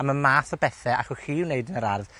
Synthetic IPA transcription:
aməmaːθɔbɛθɛa̰χʊhiːwneɨdənəɾarð

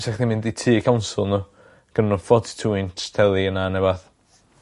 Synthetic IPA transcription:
saχdimɪnditʰiːkʰawnsʊlˠnu | ɡ̥ənnɔfɔdtʰuːɪnttʰɛlˠiənanɛbaθ

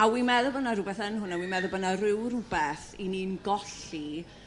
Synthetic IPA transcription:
awimɛðʊbənaɾʊbɛθənhʊnawimɛðʊbənarɪwrʊbɛθiniːnɡɔɬi

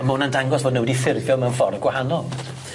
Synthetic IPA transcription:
moːnandaŋɡɔsv̥oːdnəwɪdifɪrðjɔmɛənfɔrəɡwahanɔlˠ

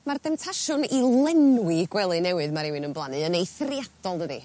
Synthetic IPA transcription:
marðɛmtʰaʃʊnilˠɛnwiɡwɛlˠɨnɛwɨðmaɾɪwɨnənblˠanɨənejθrjad̥ɔlˠdədḭ

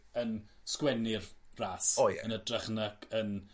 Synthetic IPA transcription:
ənskwɛnɪrraːsojɛ̰ənədraχnəɡ̥ən

